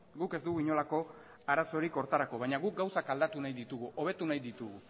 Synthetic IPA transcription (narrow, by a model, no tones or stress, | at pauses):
ɡuke̞zd̪uɣuiɲo̞lako̞ | aɾaso̞ɾiko̞ɾt̪aɾako̞βajɲaɣuk̚ɡawsakald̪at̪unajðit̪uɣuʔo̞β̞e̞t̪unajðit̪uɣu